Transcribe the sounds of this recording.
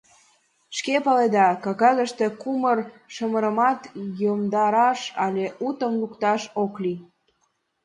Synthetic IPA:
ʃkepɑled̪ɑkɑkɑzəʃt̪ekumərʃəməɾəmɑt̪jomd̪ɑɾɑʃɑlʲeʔut̪əmlukt̪ɑʃokli

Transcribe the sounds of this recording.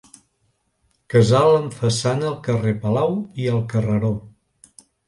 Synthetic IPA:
kəzaləɱfəsanəːlˠkərepəlawiəlˠkərəɾo

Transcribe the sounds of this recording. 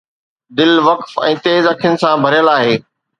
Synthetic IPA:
d̪ɪlʋɐkfɛ̃ːt̪eːzɐkʰɪjʊnɪ̆sãbʱɐɾjəlaːɦeː

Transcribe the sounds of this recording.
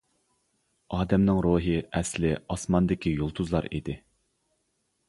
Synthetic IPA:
ɑːd̪ɛmnɪŋɾuːɦɨʔɛslɪɑsmɑnd̪ɪkʲijolˠt̪ʰuzlˠɑɾḭd̪ɪ

